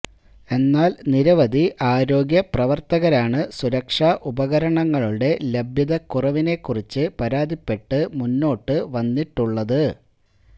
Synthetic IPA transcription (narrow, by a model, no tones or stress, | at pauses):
e̞nːaːlniɾɐʋɐd̪iʔaːɾo̞ːɡjɐprɐʋɐrt̪ɐɣɐɾaːɳɨsuɾɐkʂaːʔubɐɣɐɾɐɳɐŋːɐɭuɽe̞le̞bʱjɐðɐkurɐʋine̞kːurit͡ɕːɨpɐɾaːd̪ipːe̞ʈːɨmunːo̞ːʈːɨʋɐnːiʈːuɭːɐðɨ